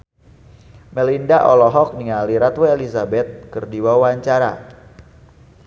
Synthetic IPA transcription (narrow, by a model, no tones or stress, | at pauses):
mɛlindaʔɔlɔɦɔk̚niŋaliɾat̪weelisabɛt̪̚kərdiwawaɲt͡ʃaɾa̰